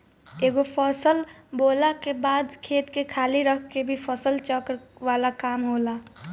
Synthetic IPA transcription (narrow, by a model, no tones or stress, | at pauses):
eːɡopʰəsəl | boːlakebaːd̪kʰeːt̪kekʰaːliɾəkʰkebʱipʰəsəlt͡ʃəkɾʋaːlakaːmɦoːlaː